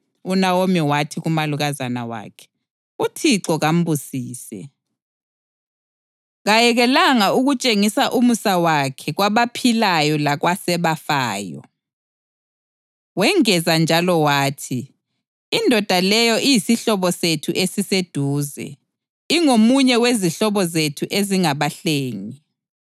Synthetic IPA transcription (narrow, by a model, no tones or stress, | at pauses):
unawomiwatʰiɣumaluɣazana̰wa̰ːkʰɛ̥ | utʰiǀɔɣam̩bʱusiːsɛ̰ | ɣajɛɣɛlaŋauɣut͡ʃʼeŋisaʔumusawakʰɛɣwaβapʰilajɔlaɣwasɛβafaːjɔ̰ | wɛŋɛzand͡ʒʱalɔwaːtʰiː | ndʱɔd̥ʱalɛjɔʔijisiɬɔβɔsetʰuʔesised̥ʱuːzɛ̰ | iŋomuɲɛweziɬɔβɔzetʰuʔeziŋaβaɬeːŋi